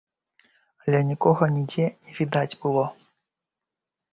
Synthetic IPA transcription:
ɐlʲɛnʲikɔɣɔnʲidʲɛnʲiʋʲid̪atʲbulˠɔ

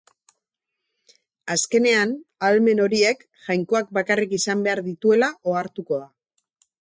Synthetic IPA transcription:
aske̞ne̞analme̞no̞ɾie̞k | ʝajŋko̞ak̚bakarikisambe̞aɾðit̪ue̞laʔo̞aɾt̪uko̞ða

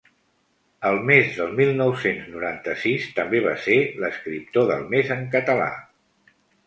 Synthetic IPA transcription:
əlˠmezðəlˠmilˠnɔwsenznuɾant̪əsist̪əmbeβ̞a̰seləskɾip̚t̪oðə̰lˠmezəŋk̬ət̪əla̰

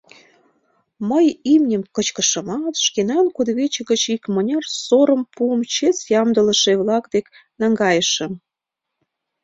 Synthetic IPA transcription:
məjimnʲəmkət͡ɕkə̆ʃɤ̆mɑt̪ʃkenɑnkud̪βet͡ɕəɣə̆t͡ɕikmənʲɑrsoɾəmpuəmt͡ɕet͡sjɑmd̪ələ̆ʃeβlɑkd̪ek | nɑŋɡɑjəʃə̆m

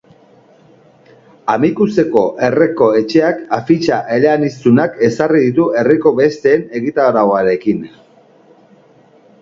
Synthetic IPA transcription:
amikuse̞ko̞ʔe̞re̞ko̞e̞t͡ʃe̞akafit͡ʃaʔe̞leanist̪unake̞sariðit̪ue̞riko̞βe̞st̪e̞ːne̞ɣit̪aoɾaoaɾe̞kin

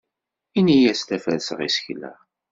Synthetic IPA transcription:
inijæslæfæðsəʁḭsçlæ̰

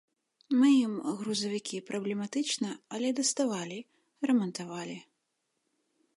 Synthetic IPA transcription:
mɨjimɣɾuzɐvʲikʲʰipɾɐblʲɛmat̪ɨt͡ʂnɐɐlʲɛd̪ɐst̪avalʲi | rɛmɐnt̪avalʲi

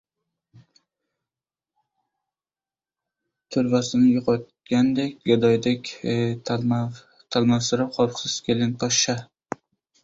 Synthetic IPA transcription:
t̪ʰʊɾvasɪnɪjʊqʰɒt̪̚ | ɡʲand̪ekʲɡad̪ɒjd̪ekʲ | t̪ʰalˠmawsɪɾap̚qʰɒɾqsɪz̥kʲʰe̞lɪnpʰɒʃa

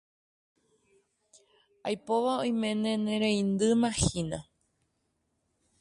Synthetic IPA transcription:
ajpo̞ʋaoj̃mẽ̞nẽnẽɾẽĩnd̪ɨmãhina

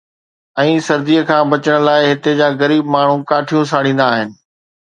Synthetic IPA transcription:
ɛ̃ːsɐɾd̪iːəkʰãːbɐt͡ɕəɽ̃laːɪɦɪt̪ed͡ʑaːɣɐɾiːbmaːɳ̤ũkaːʈʰijõsaːɽ̃ĩːn̆d̪aːɦɪnɪ̆

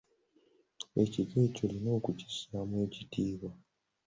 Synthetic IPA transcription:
e̞ciɡe̞co̞lino̞ːkuci̥samwe̞ːcitiːβa

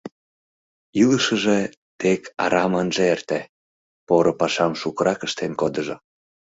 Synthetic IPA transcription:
iləʃə̆ʒĕ | t̪ekʰɑ̰ɾɑmənʒeert̪æ | poɾŏpɑʃɑmʃukəɾɑkə̆ʃt̪enkod̪ɤ̆ʒŏ

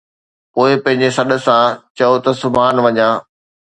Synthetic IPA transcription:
poːɪpɐ̃ɦɪ̃ɲ̆d͡ʑesɐɗə̆sãt͡ɕɐot̪ɐsʊbʱaːnʋɐɲãː

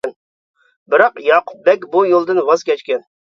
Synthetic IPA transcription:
n | bɪɾɑqjɑqʰʊp̚bɛkʲbujolˠd̪ɨnwɑz̥kʲʰɛt͡ʃkʲɛn

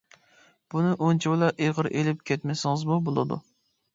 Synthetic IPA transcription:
b̥unɪʔont͡ʃʰiwlˠɑʔeʁəɾʔelɪp̚kʲʰɛt̪mɛsɪŋɨzmubolˠɨ̰d̪ṵ

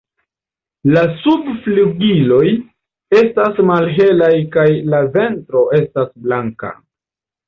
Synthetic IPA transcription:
lasubfluɡilo̞j | e̞stasmalɦe̞lajkajlave̞ntɾo̞ʔe̞stasblaŋka̰

